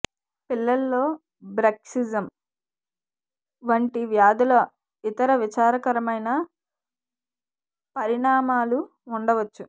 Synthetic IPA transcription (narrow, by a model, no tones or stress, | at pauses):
pilːɐlːo̞ː | bɾɐksid͡ʒɐm | ʋɐɳʈiʋjaːd̪ilɐ | it̪ɐɾɐʋit͡ʃaːɾɐkɐɾɐmɐjnɐ | pɐɾiɳaːmaːluː | ɳɖɐʋɐt͡ʃːu